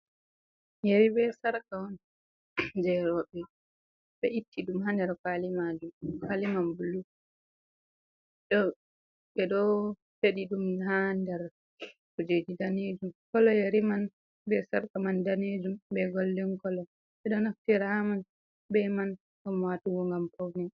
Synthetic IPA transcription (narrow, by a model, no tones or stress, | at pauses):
jeɾibɛsaɾkawɔn | d͡ʒɛɾɔbɛ | bɛʔitːiɗumhandɛɾkalimad͡ʒumkalimanbulu | ɗɔ | ɓɛɗɔ | feɗiɗumɦandɛɾ | kud͡ʒed͡ʒidaned͡ʒumkɔlɔjeɾiman | bɛsaɾkamandaned͡ʒumbɛɡɔldɛŋkɔlɔ | ɓɛɗɔnaftiɾaman | bɛman | ɔmwatuɡɔŋɡampɔwnɛ